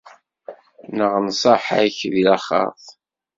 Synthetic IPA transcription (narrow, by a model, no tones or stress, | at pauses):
nəʁnsˤəħaçðilæχɑ̰θˤ